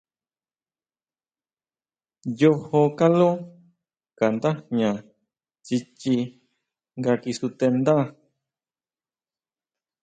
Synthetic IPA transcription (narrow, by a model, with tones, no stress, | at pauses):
jo˧ho˧ka˦lo˦ | ka˨nd̪a˦ɲã˨ | t͡ʃi˧t͡ʃi˧ | ŋɡa˧ki˧su˧t̪e˧nd̪a˦˨